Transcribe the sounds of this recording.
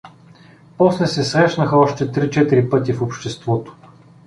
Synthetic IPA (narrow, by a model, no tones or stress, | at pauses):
pɔslɛsɛsɾɛʃnəxəɔʃt̪ɛt̪ɾit͡ʃɛt̪iɾipɤt̪ifopʃt̪ɛst̪vɔt̪o̥